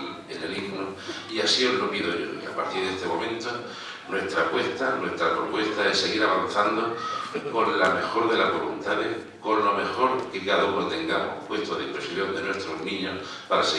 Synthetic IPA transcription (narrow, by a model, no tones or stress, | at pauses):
eneliɣno | iasiolopiðoʝo̰ḭa̰paɾt̪iɾðest̪e̞mo̞mẽ̞nt̪o | nwe̞st̪ɾapwe̞st̪anwe̞st̪ɾapɾo̰pwe̞st̪ae̞se̞ɣiɾaβan̟θand̪oko̞nlame̞xo̞ɾðe̞lazβolunt̪aðeh | ko̞nlome̞xo̞ɾkiɣaðokot̪eŋɡamopwe̞st̪oðempɾesjond̪enwe̞st̪ɾoɦnĩɲo | paɾase